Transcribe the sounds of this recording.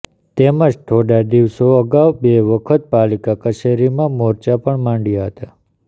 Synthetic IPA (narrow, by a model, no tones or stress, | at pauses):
t̪eməd͡ʒt̪ʰoɽad̪iʋsoəɡaʋbeʋəkʰət̪̚palikakət͡ʃʰeɾimãmɔɾt͡ʃapəɳmãɳɖjaɦət̪a